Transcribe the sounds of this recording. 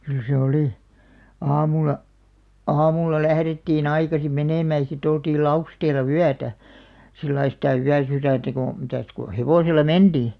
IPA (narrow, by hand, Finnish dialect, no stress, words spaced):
kyl se oliˑ ɑːmulˑɑ ɑːmulːɑ læhretːiːn ɑikɑsim meneˑmæˑ j̆ɑ̆ sit oltiːl lɑusteːlˑɑ wyætæ silːɑi sitæ yæsyræˑntæ ko mitæˑs ko heʋoselˑɑ mend̥iː